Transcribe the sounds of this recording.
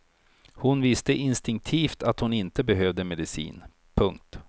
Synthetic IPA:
hʊnvɪst̪əʔɪnst̪ɪŋk̚t̪ʰiːft̪at̪hʊnɪnt̪əbɛɦøːvd̪əmɛd̪ɪsḭːn | pʰɵŋk̚t̪

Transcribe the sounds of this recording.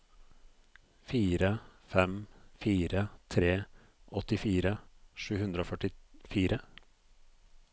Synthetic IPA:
fiːɾəfɛmfiːɾət̪ʰɾeː | ʔɔt̪ɪfiːɾəʂʉːhʉnd̪ɾəoːfœʈɪfiːɾʔə

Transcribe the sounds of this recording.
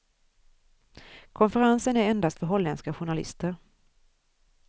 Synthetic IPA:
kʰɔnfəɾansənæɾɛnd̪ast̪fœɾɦɔlːɛnskaɧʊɳalɪ̰st̪əɾ

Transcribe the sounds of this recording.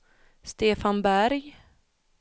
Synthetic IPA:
st̪eːfanbæɾj

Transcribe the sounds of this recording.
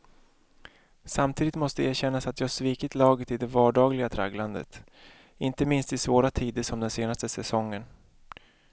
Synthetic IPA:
samt̪ʰiːd̪ɪt̪mɔst̪əeːɕɛnːasat̪jɑːhaʂviːkɪt̪lɑːɡət̪ɪd̪ɛvɑːɖɑːɡlɪɡat̪ʰɾa̰ɡland̪ə̰t̪ | ɪnt̪əmɪnst̪ɪsvoːɾat̪ʰiːd̪əʂɔmd̪ɛnseːnast̪əsɛsɔŋːən

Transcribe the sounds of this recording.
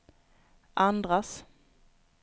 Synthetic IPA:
ʔand̪ɾas

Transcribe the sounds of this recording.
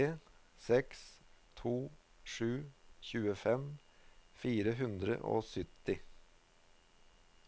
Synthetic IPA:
eː | sɛks | t̪ʰuː | ʂʉːçʉːəfɛm | fiːɾəɦʉnd̪ɾə̰ʔo̰ːsʏt̪ɪ

